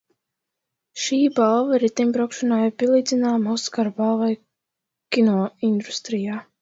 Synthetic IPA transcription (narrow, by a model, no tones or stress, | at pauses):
ʃiːbalˠvaɾit̪imbɾawkʃɔnaːjiɾpʲiɛlˠiːd̪zinaːmaɔskaɾbalˠvaj | kʲinɔːind̪ust̪ɾijaː